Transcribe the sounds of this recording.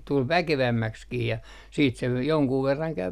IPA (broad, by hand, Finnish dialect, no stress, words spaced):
tul ʋækeʋæmːækskiː jɑ siːt se joŋkuː ʋerːɑŋ kæy